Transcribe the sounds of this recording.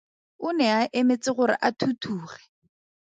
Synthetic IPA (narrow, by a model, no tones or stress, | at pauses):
ʊnɛaʔɪmet͡sɪχʊɾɪ̰ʔatʰutʰuːχɛ̥